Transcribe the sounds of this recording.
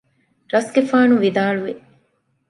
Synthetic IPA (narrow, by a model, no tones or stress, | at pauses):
ɾɐsɡefaːnuʋid̪aːɭuʋi